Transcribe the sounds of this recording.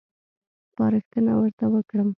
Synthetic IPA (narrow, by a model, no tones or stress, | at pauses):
pɑɾəxt̪ənawəɾt̪awəkɽəm